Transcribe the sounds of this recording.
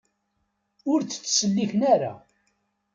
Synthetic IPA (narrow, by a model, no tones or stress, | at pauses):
ʊɾt͡sə̥t͡sːsəlːiçənæɾa̰